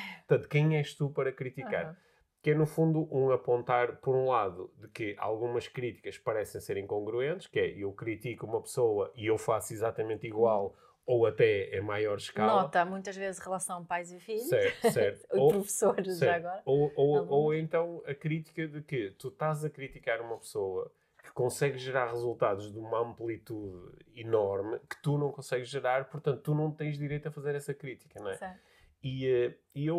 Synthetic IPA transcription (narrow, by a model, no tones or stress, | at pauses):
ppɾt̪ɐ̃nt̪u̥kɐ̃j̃ɛʃt̪upɐɾɐkɾit̪ika̰ɾ | kɛnufũnd̪uʔũɐpõnt̪aɾpɔɾũlˠaðuðɨkɨa̰lˠɣumɐʃkɾit̪i̥kɐʃpɐɾɛsẽj̃seɾĩkõŋɡɾuẽnt̪ɨʃkɨɛewkɾit̪ikuumɐpɨ̥soɐʔiewfasuizat̪ɐmẽnt̪iɣwalˠ | owɐt̪ɛḛ̃majɔɾʃkalˠɔɐt̪ɐmũj̃t̪ɐʒvezʃʁɨlˠɐsɐ̃w̃ɐpajzifiʎsɛɾt̪usɛɾt̪u̥opɾufsoɾʒsɛaɾɐɣɔɾɐoooẽnt̪ɐ̃w̃ɐkɾit̪i̥kɐðɨkɨt̪uʃt̪azɐkɾit̪ikaɾumɐpsoɐ | kɨ̥kõsɛɣʒʒɨɾaɾʁɨzulˠt̪aðuʒðumɐɐ̃mplˠit̪uðinɔɾmɨkɨ̥t̪unɐ̃w̃kõsɛɣʒʒɨɾaɾpuɾt̪ɐ̃nt̪ut̪ːunɐ̃w̃t̪ɐ̃j̃ʒðiɾejt̪ɐfɐzeɾɛsɐkɾit̪i̥kɐnw̃ɛɛ | iɛ | iew